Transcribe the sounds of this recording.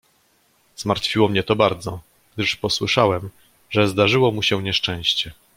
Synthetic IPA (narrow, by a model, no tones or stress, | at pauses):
z̥maɾt̪fʲiwɔmɲɛt̪ɔbaɾd̪zɔ | ɡ̥d̪ɘʂpɔswɘʂawɛm | ʐɛzd̪aʐɘwɔmuɕɛɲɛʂt͡ʂɛ̃w̃ɕt͡ɕɛ